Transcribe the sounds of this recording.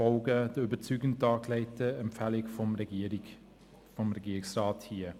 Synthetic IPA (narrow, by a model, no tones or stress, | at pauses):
ɔlɡəd̥əyːbət͡syːɡən̩dɑːklɛɪtəɛmfɛlɪkfɔm | fɔmɾɛɡiːɾɪsrɑːthiː